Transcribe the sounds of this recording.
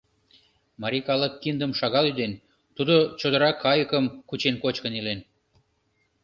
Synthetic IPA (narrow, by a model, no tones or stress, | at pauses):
mɑɾʲikɑləkːind̪əmʃɑɣɑlyd̪en | t̪ud̪ot͡ɕod̪əɾɑkːɑjəkəmkut͡ɕenkot͡ɕkə̆nilen